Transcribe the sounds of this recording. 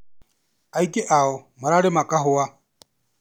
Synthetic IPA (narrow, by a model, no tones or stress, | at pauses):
aikʼɪʔaɔmaɾaɾɪmakʼaɦʊa